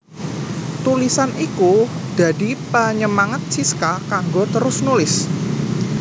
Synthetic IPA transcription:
t̪ulisaniku | d̪̥a̤dipəɲəmaŋat̪̚siskakaŋɡot̪əɾʊsnulɪs

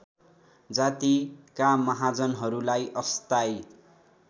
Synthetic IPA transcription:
d͡zat̪ikamʌɦad͡zʌnɦʌɾulajʌst̪aj

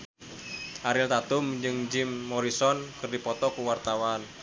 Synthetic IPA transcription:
ʔaɾɪlt̪at̪ʊmd͡ʒɨŋd͡ʒɪmːɔɾisɔnkɨrdipɔt̪ɔkuwart̪awan

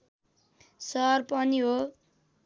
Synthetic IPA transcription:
sʌrpʌniɦo

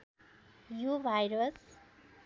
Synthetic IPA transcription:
jubʱajɾos

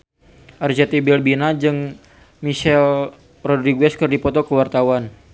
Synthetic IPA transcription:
ʔard͡ʒɛt̪ibilbinad͡ʒɨŋ | miʃɛl | rɔdɾiɡwɛskərdipɔt̪ɔkəwart̪awan

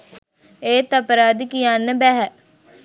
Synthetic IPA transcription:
eːt̪apəɾaːd̪ikijanəbɛːɦɛ

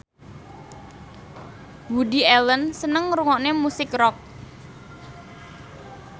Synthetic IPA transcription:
bwudiɛlənsənəŋɾuŋɔʔnemusɪkrɔk̚

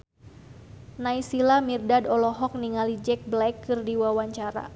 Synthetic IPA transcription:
naisilamirdadɔlɔɦɔk̚niŋalid͡ʒɛk̚blakːɨrdiwawaɲt͡ʃaɾa̰

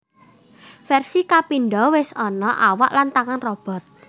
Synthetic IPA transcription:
fɛrsikapinɖɔwɪsɔnɔʔawa̰ʔlant̪aŋanrɔb̥ɔ̤t̪̚

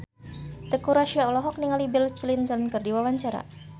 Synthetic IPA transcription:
t̪əkuɾaʃiaɔlɔɦɔk̚niŋalibɪlt͡ʃilint̪ənkɨrdiwawaɲt͡ʃaɾa̰

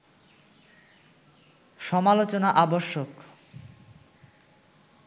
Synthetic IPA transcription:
ʃɔmalot͡ɕonaʔaboʃːok

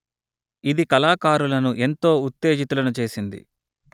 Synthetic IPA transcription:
id̪ikɐlaːkaːɾulɐnuʔe̞nt̪o̞ːut̪ːe̞ːd͡ʒit̪ulɐnut͡ʃe̞ːsind̪ḭ

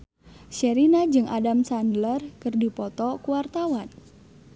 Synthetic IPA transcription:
ʃɛɾinad͡ʒɨŋʔadamsandlərkɨrdipɔt̪ɔkuwart̪awan

